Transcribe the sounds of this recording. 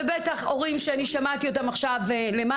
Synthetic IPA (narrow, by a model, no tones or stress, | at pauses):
ebetaχo̞ʁimʃeaniʃamatio̞t̬amaχʃavelema